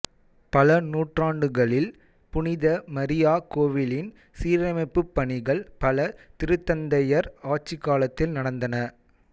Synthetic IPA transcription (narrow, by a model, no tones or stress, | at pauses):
pɐlɐnuːʈraːɳɖɯɣɐɭɪl | pʊnɪðɐmɐɾɪjaːkoːʋɪlɪn | siːɾɐmɐɪpːɯpːɐɳɪɣɐɭpɐlɐt̪ɪɾɯt̪ːɐnd̪ɐjɐɾaːʈ̚t͡ʃːɪkːaːlɐt̪ːɪlnɐɽɐnd̪ɐnɐ